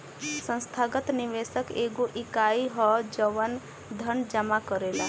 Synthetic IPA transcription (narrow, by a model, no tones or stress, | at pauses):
sə̃nst̪ʰaɡət̪niʋesəkeːɡoʔɪkaiɦɔd͡ʒəʋən | d̪ʱəɳd͡ʒəmakəɾela